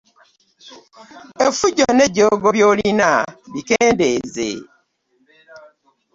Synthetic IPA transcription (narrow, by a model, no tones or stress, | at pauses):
efuɟoneɟoɡoβjoːlinaβikeːndezḛ